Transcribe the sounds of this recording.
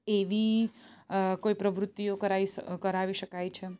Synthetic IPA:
eʋi | koipɾəʋɾʊt̪ːijokəɾaikəɾaʋiʃəkajt͡ʃʰe

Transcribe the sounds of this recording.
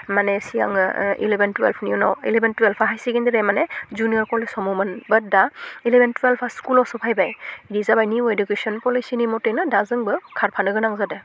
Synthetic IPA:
manɛsija̰ŋḭlɛbɛntwɛ̰lpʰniunɔ̰wḭlɛbɛntwɛlpʰaɦajsiɡindiɾɛmanɛzuniɔɹkɔɹlesɔmumanbədailɛbɛntwɛlpʰaskulɔsɔpʰajbajdizabajniuedukesɔnpɔlijsinimɔtenɯdazɯŋbɯkʰaɹpʰanɯɡɯnaŋzadɛ

